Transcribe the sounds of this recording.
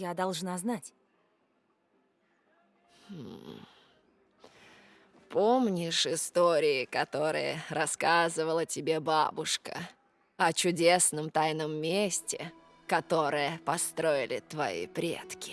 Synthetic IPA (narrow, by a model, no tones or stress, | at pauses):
jad̪ɐlˠʐnaznatʲ | h̩ | pomnʲɪʂɪst̪oɾʲɪːkɐt̪o̞ɾɨ̰jə̰rɐskazɨvəlˠətʲɪbʲeba̰bʊʂkə̰ | ɐt͡ɕʊdʲesnəmt̪ajnəmːʲesʲtʲɪ | kɐt̪o̞ɾɨjəpɐst̪ɾo̞ɪlʲɪ̰t̪vɐ̰ḭpɾʲḛt̪kʲɪ̥